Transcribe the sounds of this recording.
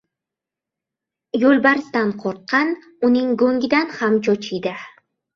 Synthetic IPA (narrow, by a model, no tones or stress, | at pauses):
jolˠbaɾɪsd̪anqʰɒɾt̪̚qʰɑn | ʊnɪŋɡoŋɡʲɪd̪anhamt͡ʃʰɒt͡ʃʰɪjd̪ɪ